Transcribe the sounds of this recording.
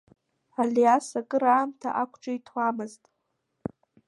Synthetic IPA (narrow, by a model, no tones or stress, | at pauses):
alijasakʼɨɾaːmtʰa̰ʔakʷʰʼʈ͡ʂʼajtʰamɨztʼ